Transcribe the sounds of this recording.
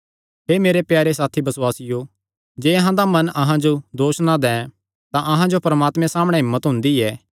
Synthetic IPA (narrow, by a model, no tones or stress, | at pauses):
ɦeːmeːɾepjaːɾesaːt̪ʰibɐsʊaːsɪjo | d͡ʒeːɐɦãd̪amɐnɐɦãd͡ʒod̪oːsnãd̪ɛ̃ | t̪ãʔɐɦãd͡ʒopɾɐmaːt̪mɛ̃saːmɽ̃ɛ̃ɦɪmːət̪ɦʊ̃nd̪iɛː